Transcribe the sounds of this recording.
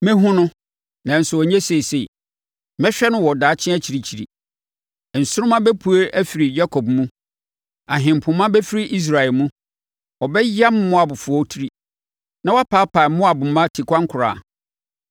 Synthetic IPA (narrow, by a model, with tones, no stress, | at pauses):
mɛ̃˦ɦʊ̃˦nʊ̃˦ | nã˨n̩˨sʊ˨ɔ˨ɲɛ̃˦se˨se˨ | mɛ̃˦ɕᶣɛ˦nʊ̃˦wɔ˨daː˨˦t͡ɕʰɪ̃˦æ˦t͡ɕʰi˨ɾi˨t͡ɕʰi˨ɾḭ˨ | n̩˨sʊ˦ʊ˦mã˦bɛ˦pʰu˨˦e˦æ˦fi˨ɾi˨ja˦kʰɔ˨b̚mũ˦ | a˨ɦɪ̃˨m̩˨pʰʊ̃˨mã˦bɛ˦fɪ˦ɾi˦ʔi˦s̬ɾa˨ɛ˨lmũ˦ | wɔ˨bɛ˦ja˦mː˦ʊ̃˦a˨bʊ˨fʊ˨ɔ˦tʰi˦ɾi˦ | nã˨˦wa˦pʰaː˦pʰa˨mʊ̃˦a˨bʊ̃˨˦mã˦tʰi˨kʷʰã˦ŋ˦kʰʊ˨ɾa̰˨